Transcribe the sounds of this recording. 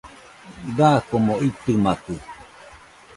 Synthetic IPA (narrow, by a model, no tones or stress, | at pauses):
dakomoit̪ɨmakɨ